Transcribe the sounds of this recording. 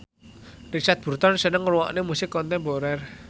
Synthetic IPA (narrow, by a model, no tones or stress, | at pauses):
rit͡ʃat̪̚b̥ṳrt̪ɔnsənəŋruwɔ̰ʔnemusɪkːɔnt̪ɛmboɾɛr